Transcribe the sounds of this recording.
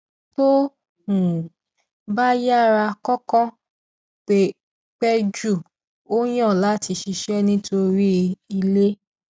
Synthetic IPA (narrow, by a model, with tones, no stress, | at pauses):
to˦ | ũ˨ | ba˦ja˦ɾa˧kɔ˦kɔ̃˦ | k͡pe˨ | k͡pɛ˦d͡ʒu˦˨ | o˦j̃ã˦˨la˨˦˨ti˧ʃi˧ʃɛ˦nĩ˦tʰo˧ɾi˦i˧le˦